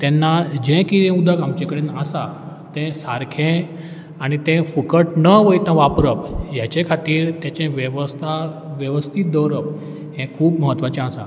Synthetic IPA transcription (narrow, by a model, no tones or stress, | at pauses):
t̪ɛnːad͡ʑɛ̃kiɾɛ̃ud̪ʱakamt͡ɕẽkəɽenasa | t̪ɛ̃saɾkʰɛ̃ | aɽ̃it̪ɛ̃fəkəʈnəʋəjt̪ãʋapɾəpjat͡ɕekʰat̪iːɾt̪jat͡ɕɛ̃ʋʋst̪ʰa | ʋjəʋəst̪ʰit̪̚d̪əɾəp | ɦɛ̃kʰuːpməɦət̪ːʋat͡ɕɛ̃asa̰